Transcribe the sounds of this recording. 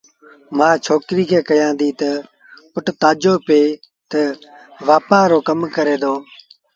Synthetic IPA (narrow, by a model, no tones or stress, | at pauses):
mãːt͡ʃʰoːkɾiːkʰeːkəjãːnd̪iːt̪ə | pʊʈt̪aːd͡ʒoːpeː | t̪əʋaːpaːɾoːkəmkəɾeːd̪oː